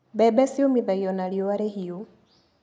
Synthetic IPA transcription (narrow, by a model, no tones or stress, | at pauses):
bɛbɛsiomiðajɔnalioaɾehio